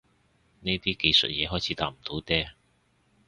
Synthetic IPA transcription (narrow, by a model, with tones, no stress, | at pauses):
ne˥jt̪iː˥ke˧jsɵ̰˨t̚jɛː˨˧ɦɔː˨˥jt͡sʰiː˨˥t̪a̰ː˧˥m̩˨˩t̪o˨˥wt̪ɛː˥